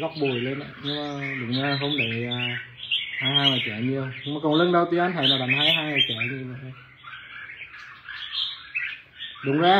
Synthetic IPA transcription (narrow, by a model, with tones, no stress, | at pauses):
ɣɔ˦˥k͡p̚ɓu˨˩əjle˧na̰˨˩ɲɨ˧ŋmaː˨˩ɗʊ̰˨˩˦ŋ͡mzaː˧˨ɦo˧mɗə˨˩aː˨ | haː˧˦jɦaː˧jŋaː˨˩t͡ɕa̰ː˨ɲɨ˧ə˧wɲ˧ma˨˩kɔ˨˩ŋlə˨˧˦nɗə˧wt̪i˧˦ʔa˧˦n̟t̪ʰa˨˩jnaː˨˩ɗa˨˩mɦaː˧jɦaː˧jŋaː˨˩jt͡ɕaː˧˨ɲɨ˧və˨j | ɗʊ̰˨˩˦ŋzaː˧